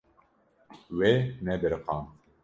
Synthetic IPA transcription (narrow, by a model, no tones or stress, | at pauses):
wenɛbɪɾqɑːm